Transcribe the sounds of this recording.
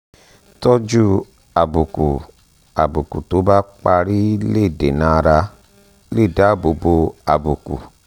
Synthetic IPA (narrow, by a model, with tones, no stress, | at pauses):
tɔ˦d͡ʒu˦ | a˨bu˨ku˨ | a̰˨bu˨ku˨to˨˦ba˦k͡pa˧ɾi˦le˦˨de˨na˨˧ɾa˧ | le˦˨da˨˦˨bo˨bo˧a˨bu˨kṵ˨